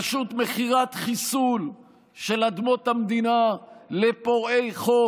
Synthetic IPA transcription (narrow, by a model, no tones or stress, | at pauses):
ʃut̪meχiʁat̪χisul | ʃelad̪mot̪hamd̪inalepoʁejχo